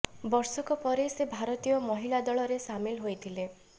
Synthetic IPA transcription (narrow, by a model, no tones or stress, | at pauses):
bɔɾsɔkɔpɔɾesebʱaɾɔt̪ijɔmɔɦilad̪ɔɭɔɾesamilɦojt̪ʰile